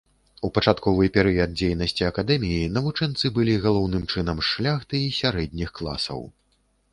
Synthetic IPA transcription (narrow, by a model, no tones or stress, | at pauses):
upɐt͡ʂat̪kɔvɨpʲɛɾɨjɐd̪̚d͡zʲejnɐsʲt͡sʲiɐkad̪ɛmʲijinɐvut͡ʂɛnt̪sɨbɨlʲiɣalˠɔwnɨmt͡ʂɨnɐmʂlʲaxt̪ɨisʲaɾɛd̪ʲnʲixklˠa̰sɐ̰w